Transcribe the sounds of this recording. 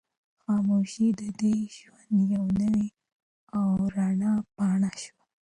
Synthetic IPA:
xɑmoʃid̪əd̪eʒwand̪jawnəwi | awɾɑɳɑpɑɳaʃwa

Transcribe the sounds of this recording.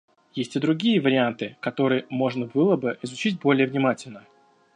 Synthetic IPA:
jesʲtʲɪd̪ɾʊɡʲijəvəɾʲɪant̪ɨkɐt̪o̞ɾɨjəmo̞ʐnəbɨlˠəbɨɪzʊt͡ɕitʲbo̞lʲɪjəvnʲɪmatʲɪlʲnə

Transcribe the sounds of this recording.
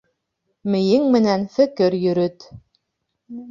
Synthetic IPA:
mɘ̆jɘŋmɘ̆nænfɘ̆kɘɾjɵ̆ɾɵt̪

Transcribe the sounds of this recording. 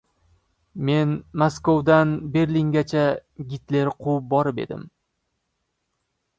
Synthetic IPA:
me̞nmoskowd̪anbe̞ɾliŋɡʲat͡ʃʰaɡʲɪt̪le̞ɾqʰup̚bɒɾɪpe̞̰d̪ɪ̰m

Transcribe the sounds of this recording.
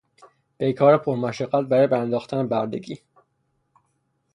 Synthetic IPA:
b̥ejkʰɒːɾepʰoɾmæʃæɡːæt̪̚bæɾɒːjebæɾænd̪ɒːxt̪ʰænebæɾd̪ḛɡiː

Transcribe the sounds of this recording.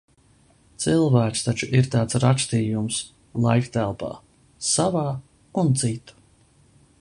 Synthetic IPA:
t̪sɨlˠvæːkst̪at͡ʃuʔiɾt̪aːt̪sɾakst̪iːjums | lˠajkt̪ælˠpɑ̰ː | savɑː | unt̪sit̪u̥

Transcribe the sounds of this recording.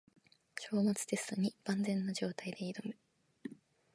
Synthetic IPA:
ɕo̞ːmat͡sɨ̥d̪e̞sɨ̥t̪oɲ̟ib̥ãnd͡zẽ̞nːad͡ʑo̞ːt̪aid̪e̞id̪omɯ

